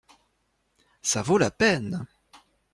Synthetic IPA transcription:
savolapɛn

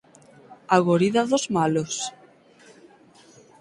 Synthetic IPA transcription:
aɣoɾiðaðozmalos

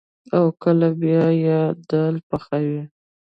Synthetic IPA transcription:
awkəlabjɑjed̪əlpəxawi

